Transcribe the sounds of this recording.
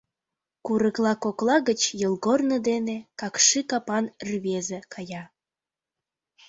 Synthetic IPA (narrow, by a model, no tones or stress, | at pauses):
kuɾəklˠɑkoklˠɑɣət͡ɕjəlˠɣornəd̪enekɑkʃikɑpɑnrβezekʰɑjɑ